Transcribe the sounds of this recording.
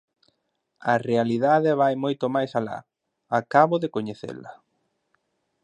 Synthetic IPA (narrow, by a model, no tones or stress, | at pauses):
ɐrealiðaðeβajmojt̪omajsala̰ | akaβoðekoɲeθḛlɐ̰